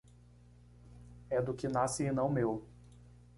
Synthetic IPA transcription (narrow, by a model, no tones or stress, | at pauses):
ɛd̪ʊkɪnasɪːnɐ̃w̃mew